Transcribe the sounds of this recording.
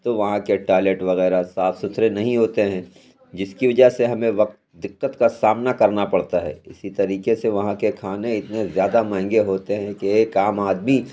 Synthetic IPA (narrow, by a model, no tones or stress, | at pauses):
t̪oʋɐɦãkeʈaːleʈʋɐɣɛːɾasaːt̪ʰsʊt̪ʰɾenɐɦĩɦoːt̪eɦɛ̃ | d͡ʒɪskiʋɐd͡ʒəɦseɦɐmẽʋɐq̚t̪d̪ɪqːət̪kasaːmnakɐɾnapɐɽt̪aɦɛ̰ːɪsit̪ɐɾiːkeseʋɐɦãkekʰaːneɪt̪nezjaːd̪amɛ̃ɦŋɡeɦoːt̪eɦɛ̃keeːkaːmaːd̪mi